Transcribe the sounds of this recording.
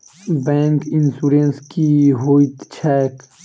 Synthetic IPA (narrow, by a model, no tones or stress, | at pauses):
bɛ̃ːŋkɪnsuːɾẽnskiɦoːit̪t͡ʃʰɛːk